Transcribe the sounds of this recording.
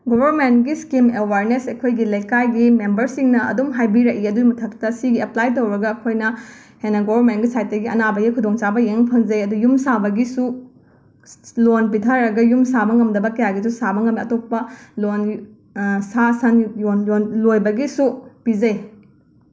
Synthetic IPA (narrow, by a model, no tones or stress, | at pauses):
ɡobɐɾment̚ɡiskimewaɾnesejkʰojɡilɐjkajɡimembɐɾsiŋnɐɐ̰dumɦajbiɾɐkiɐdumɐtʰɐk̚tɐsiɡiɐplajtowɾɐɡɐːkʰojnɐ | henɐɡobɐɾmentɡisajt̚dɐɡiɐnabɐɡikʰudoŋt͡ʃabɐjeŋpʰɐŋd͡ʒɐjɐdujumsabɐɡisu | lonpitʰaɾɐɡɐjumsabɐŋɐmdɐbɐkɐjaɡisusabɐŋɐmiɐtopːɐlon | sasɐnjonjonlojbɐɡisupid͡ʒɐj